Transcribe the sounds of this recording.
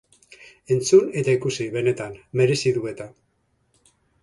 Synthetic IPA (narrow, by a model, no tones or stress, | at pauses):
e̞nt͡sune̞t̪aikusiβe̞ne̞t̪anme̞ɾe̞siðue̞t̪a